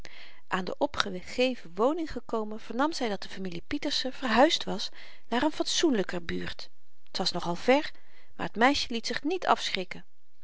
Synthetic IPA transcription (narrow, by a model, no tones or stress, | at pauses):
ʔaːndə̰ʔɔpχə | χejvəʋownɪŋχəkowmənv̥əɹnɑmzɛjdɑt̚dəfamilipitəɹsəv̥ərɦœɥstʋɑs | naːɹənfɑtsunləkəby̰ːɹt | ətʋɑsnɔχɑlˠvɛɹ | maːɹətmɛjʃəlitsɪχnitʰɑ̰fsχrɪkən